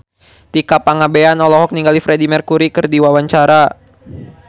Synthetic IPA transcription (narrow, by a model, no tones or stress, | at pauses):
t̪ikapaŋabeanɔlɔɦɔk̚niŋɡalifɾɛdimərkuɾikɨrdiwawaɲt͡ʃaɾa